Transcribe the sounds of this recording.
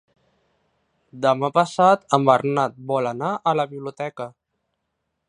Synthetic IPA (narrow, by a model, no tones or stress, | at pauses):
d̪əmapəsat̪əmbərnat̪̚bɔlənaʔələβiβliut̪ɛkə